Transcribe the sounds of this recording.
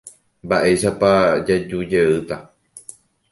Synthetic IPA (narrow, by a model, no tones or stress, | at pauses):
baʔe̞ʃapad͡ʒad͡ʒud͡ʒeɨt̪a